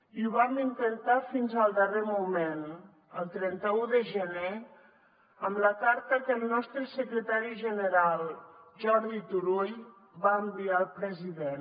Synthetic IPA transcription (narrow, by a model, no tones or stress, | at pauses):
iuβamd̪int̪ənt̪afinzəlˠd̪əremumen | əlˠt̪ɾɛnt̪əuðəʒəne | əmləkaɾt̪əkəlˠnɔst̪ɾəsəkɾət̪aɾiʒənəɾalˠʒɔɾðit̪uɾuj | βaəmbialˠpɾəziðen